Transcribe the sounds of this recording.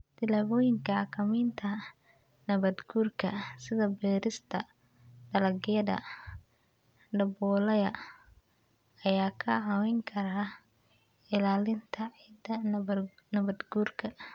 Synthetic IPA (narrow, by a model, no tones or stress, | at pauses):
d̪̥ɪlaːβɔːjɪŋkʰɐkʰɐmiːnt̪ʰɐ | nɐβɐd̪ɡuːrkʰɐsɪðɐbɛːɾɪst̪ʰɐ | ɖɐlɐɡɪɐðɐ̰ | ɖɐbɔːlɐjɐ | ɐjaːkʰɐɐwɛŋkʰɐɾaː | ɪlaːlɪnt̪ʰɐʕid̪ɐ | nɐβɐd̪ɡuːrkʰɐ